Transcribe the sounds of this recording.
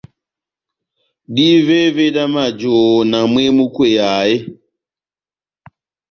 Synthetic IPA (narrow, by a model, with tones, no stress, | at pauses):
di˦ve˦ve˦da˦ma˨d͡ʒoː˨na˨m˦e˦mu˦kwe˦˨ja˨e˦